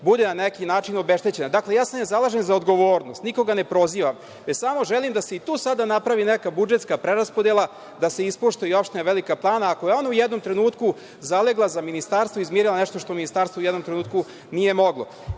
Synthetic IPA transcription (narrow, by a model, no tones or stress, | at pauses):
bud̪enanekinaːt͡ʃinobeʃt̪e̞t͡ɕe̞nad̪akle̞jaːsamnezalˠaʒenzaod̪ɡo̞ʋoːɾnost̪niko̞ɡane̞pɾo̞ziːʋam | ʋesamo̞ʒelimd̪ase̞it̪uːsad̪anapɾaʋinekabud͡ʒe̞t̪skapɾeɾaspod̪jelˠa | d̪aseispoʃt̪oiopʃt̪enaʋelikaplˠaːnaːkojeo̞naujɛd̪no̞mt̪ɾe̞nuːt̪ku | zaleɡlˠazaminist̪aɾst̪ʋoizmeɾilˠaneʂt̪oʃt̪ominist̪aɾst̪oujɛd̪no̞mt̪ɾenuːt̪ku | nije̞mo̞ɡlˠo